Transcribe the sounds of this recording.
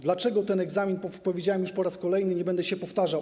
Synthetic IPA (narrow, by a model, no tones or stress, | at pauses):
d̪lat͡ʂɛɡɔt̪ɛnɛɡzamʲinpɔpɔvʲjed͡ʑawɛmjuʂpɔɾaskɔlɛjnɘɲɛbɛnd̪ɛɕɛpɔft̪aʐaw